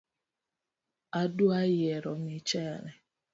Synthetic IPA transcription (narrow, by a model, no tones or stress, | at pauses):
aduajeɾɔmit͡ʃɛɾɛ